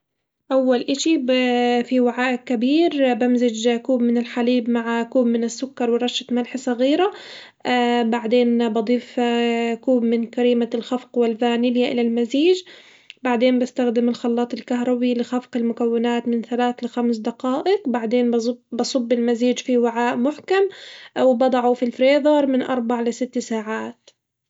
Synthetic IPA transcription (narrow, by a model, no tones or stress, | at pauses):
ʔawːalʔɪʃifiwaʕaːʔkːabiːɾbamzɪd͡ʒkuːbmɪnɪlħaliːbmaʕkuːbmɪnɪsːʊkːɑɾˤwɪɾˤɑʃːat̪malħsˤɑɣiːɾa | baʕd̪eːnbɑd̪ˤiːfkuːbmɪnkaɾiːmalxafqwɪlvaːnɪljaʔɪlalmaziːd͡ʒ | baʕd̪eːnbɪst̪axd̪ɪmɪlxɑlːɑːt̪ˤɪlkaɦɾˤɑbilɪxafqɪlmʊkawːɪnaːt̪mɪnθalaːθlɪxamsd̪aqɑːʔɪqbaʕd̪eːnbɑsˤɑbːɪlmaziːd͡ʒfiwaʕaːʔmʊħkamwɪbɑd̪ˤɑʕufilfɾeːðɑɾˤmɪnʔɑ̰ɾˤbaʕlɪsɪt̪ːsaːʕaːt̪